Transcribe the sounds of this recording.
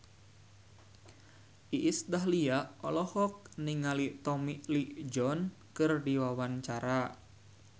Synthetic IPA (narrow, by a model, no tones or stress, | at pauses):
ʔiʔːsdaɦliaɔlɔhɔk̚niŋalit̪ɔmiʔliʔd͡ʒɔn | kɨrdiwawant͡ʃaɾa